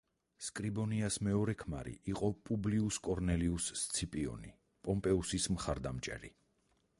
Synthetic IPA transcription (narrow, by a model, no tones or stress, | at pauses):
skʼɾibɔniasmɛɔɾɛkʰmaɾḭʔiqʼɔpʼubliuskʼɔɾnɛliust̪sʰipʼiɔ̰ni | pʼɔmpʼɛusismχaɾd̪amt͡ʃʼɛ̰ɾḭ